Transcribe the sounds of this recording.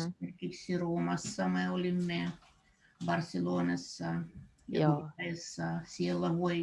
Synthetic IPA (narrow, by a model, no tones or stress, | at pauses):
sierkiksiroːmɑsːɑmeolʲimːe | bɑrseloːnɑsːɑ | jɑueːsːɑsielːæʋoi